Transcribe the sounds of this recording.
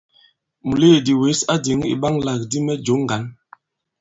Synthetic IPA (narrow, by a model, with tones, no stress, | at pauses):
mu˨le˦˨di˨we˨˦sa˦di˨˦ŋḭ˨ɓa˦ŋla˨k̚di˦mɛ˦d͡ʒo˨˦ŋ˦˨ɡa˨˦n